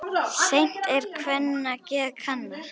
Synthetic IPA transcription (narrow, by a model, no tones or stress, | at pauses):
sejn̥t̪ɛɾkʰvɛnːacɛːðkʰanːa